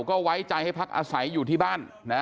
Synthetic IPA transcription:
kɔː˥˩wa˦˥jt͡ɕa˧jha˥˩jpʰa˦˥k̚ʔa̰ː˧sa˩˦jːuː˨˩t̪ʰiː˥˩baː˥˩n | na˦˥

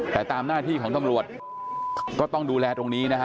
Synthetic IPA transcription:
t̪ɛː˨˩t̪aː˧mnaː˥˩t̪ʰiː˥˩kʰɔː˩˦ŋt̪a˧mɾu˨˩ət̪̚ | kɔː˥˩t̪ɔ˥˩ŋduː˧lɛː˧t̪ɾo˧ŋniː˦˥na˥kʰa˦˥

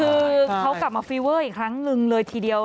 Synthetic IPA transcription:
ɯː˧kʰa˦˥wkla˨˩p̚maː˧fiː˧wɤː˥˩ʔiː˨˩kʰɾa˦˥ŋnɯ˧ŋlɤː˧jt̪ʰiː˧˩di˧əw

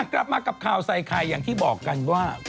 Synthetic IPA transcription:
kɾa˦˥p̚maː˧ka˨˩p̚kʰaː˨˩wsa˨˩jkʰa˧jːaː˨˩ŋt̪ʰiː˥˩bɔː˨˩kːa˧nwaː˥˩

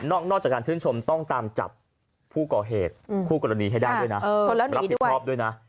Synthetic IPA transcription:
nɔː˥˩k̚nɔː˥˩t͡ɕaː˨˩kaː˧nt͡ɕʰɯː˥˩nt͡ɕʰo˧mt̪ɔ˥˩ŋt̪aː˧mt͡ɕa̰˨˩pʰː | uː˥˩kɔː˨˩ɦeː˨˩t̪̚kʰuː˥˩kɔ˧ɾa˧niː˧ɦa˥˩jdaː˥˧˩ju˥˩jna˦ʔːlɛː˦˥ɾa˦˥˩ɔː˦˥p̚du˥˩jna˦˥ʔ

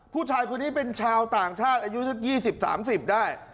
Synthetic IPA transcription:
pʰuː˥˩t͡ɕʰaː˧jkʰu˧ni˦˥pe˧nt͡ɕʰaː˧wt̪aː˨˩ŋt͡ɕʰaː˥˩t̪̚ʔaː˧ju˦˥t͡ɕɯ˦˥˩k̚jiː˥˩si˨˩p̚sa̰ː˩˦msi˨˩p̚daː˥˩j

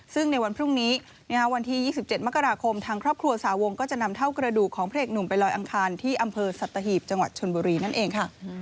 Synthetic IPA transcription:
sɯ˥˩ŋna˧jwa˧npʰɾu˥˩ŋniː˦˥ | n˥a˥˩wa˧nt̪ʰiː˥˩jiː˥˩si˨˩p̚t͡ɕe˨˩t̪̚ma˦˥kːa˧ɾaː˧kʰo˧mt̪ʰaː˧ŋkʰɾɔː˥˩p̚kʰɾu˧ɐsaː˩˦wo˧ŋkɔː˥˩t͡ɕa˨˩ʔna˧mt̪ʰa˥˩wkɾa˧duː˨˩kʰːɔː˩˦ŋpʰɾeː˥˩k̚nu˨˩mpa˧jlɔː˧jʔa˧ŋkʰaː˧nt̪ʰiː˥˩ʔa˧mpʰɤː˧sa˨˩t̪ːa˧ɦiː˨˩p̚t͡ɕa˧ŋwa˨˩t̪̚t͡ɕʰo˧nbuː˧ɾiː˧na˥˩nʔeː˧ŋkʰa˥˩

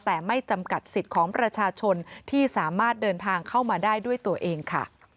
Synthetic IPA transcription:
t̪ɛː˨˩ma˥˩jt͡ɕa˧mka˨˩t̪̚si˨˩t̪̚kʰɔː˩˦ŋpɾa˧t͡ɕʰaː˧t͡ɕʰo˧nt̪ʰiː˥˩saː˩˦maː˥˩t̪̚dɤː˧nt̪ʰaː˧ŋkʰa˥˩wmaː˧daː˥˩jdu˥˩əjt̪u˧ɐʔeː˧ŋkʰa̰˥˩

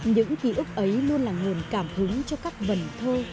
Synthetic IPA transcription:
ɲɨ̰˧˥ŋki˧˩ʔʊ˦˥k͡p̚ʔə˨˦jlu˧ənlaː˨˩ŋo˨˩nkaː˧˩mhɨ˨˦ŋt͡ɕɔ˧kaː˦˥k̚və˨˩nt̪ʰo˧

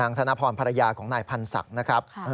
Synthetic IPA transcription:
aː˧ŋt̪ʰa˧na˦˥pʰɔː˧˩npʰa˧ɾa˧jaː˧kʰɔː˩˦ŋnaː˧˩jpʰa˧nsa̰˨˩k̚na˦˥kʰɾa˦˥p̚ʔː

